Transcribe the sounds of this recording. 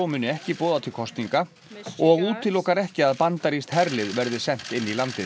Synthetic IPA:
wmʏnʏɛhcɪpɔːðat̪ʰɪlkʰɔst̪niŋka | ɔɣuːt̪ʰɪlːɔːkaɾɛhcɪaðpant̪aɾist̪hɛɾlɪðvɛɾðɪsɛn̥t̪ɪnːilant̪ɪ

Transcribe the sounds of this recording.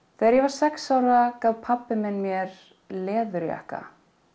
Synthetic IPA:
θɛɛɾjɛvaɾ̥sɛksawɾakaːvpʰapːɪmɛnːmjɛɾ̥ | lɛːðʏɾja̰hka̰

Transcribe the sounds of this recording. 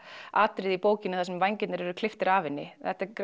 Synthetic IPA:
aːt̪ɾɪðipoːwcɪnʏθasɛmvajɲcɪt̪nɪɾɛɾʏkʰl̥ɪft̪ɪɾaːvɪnːɪ̰θɛht̪ak

